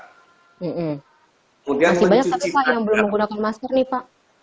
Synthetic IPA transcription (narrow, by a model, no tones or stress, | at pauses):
m̩m̩ | kəmudiasibaɲaksat̪uajajaŋbəlʊmːəŋɡunakanmaskərnipaʔ